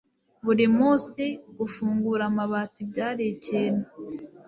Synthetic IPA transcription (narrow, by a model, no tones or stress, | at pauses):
βuɾimuseɡufuːŋɡuːɾamaβaːtibɟaːɾecena